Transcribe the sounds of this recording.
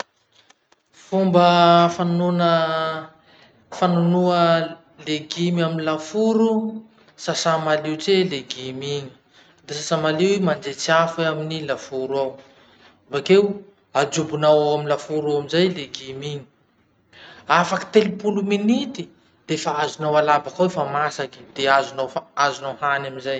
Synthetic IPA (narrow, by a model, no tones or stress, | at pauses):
fumbəfanunə | fanunuə | leɡimaminilafuɾu | sasamaliut͡seleɡimiɲi̥ | d̪esasamaliwimand͡zet͡siafaminilafuɾuaw | vakew | ad͡ʒubunawawaminlafuɾawamizajleɡimiɲi̥ | afaki̥t̪elipuluminit̪i | d̪̥efaazunawalabakawefamasaki̥d̪̥eazunawaazunawhanaminzaj